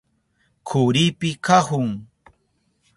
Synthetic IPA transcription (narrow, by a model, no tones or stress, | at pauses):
kʰʊɾipɪkahʊŋ